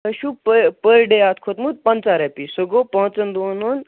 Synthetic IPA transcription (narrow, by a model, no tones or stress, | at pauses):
əɕupəpəɾɖeat̪kʰot̪mut̪̚pɐnt͡saɾɛpisoɡopəɦt͡sənd̪onuːn